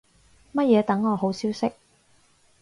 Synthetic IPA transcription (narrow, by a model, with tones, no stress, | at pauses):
mɐ˥t̚jɛː˨˧t̪ɐ˨˥ŋːɔː˨˧ɦo˨˥wsiː˥wsɪ˥k̚